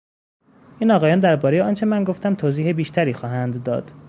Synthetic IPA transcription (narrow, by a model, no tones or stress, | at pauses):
ʔiːnɒːɣɒːjɒːnd̪æɾbɒːɾejeɒːnt͡ʃʰe̞mænɡoft̪ʰæmt̪ʰoːziːhebiːʃt̪æɾiːxɒːɦænd̪ːɒ̰ːd̪̥